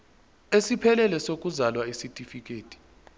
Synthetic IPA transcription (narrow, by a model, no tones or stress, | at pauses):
esipʰɛlɛlɛsok̬ʼuzalwaisitʼifik̬ʼeːtʼi̥